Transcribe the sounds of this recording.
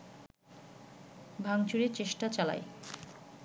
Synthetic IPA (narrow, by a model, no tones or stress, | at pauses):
bʱaŋt͡ɕuɾeɾt͡ɕeʃʈat͡ɕala̰e